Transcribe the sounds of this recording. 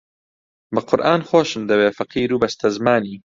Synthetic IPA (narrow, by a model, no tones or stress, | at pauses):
bɐqʰʊɾʔaːnxoːʃɨmd̪ɐbeːfɐqiːɾuːbɐst̪ɐzmaːniː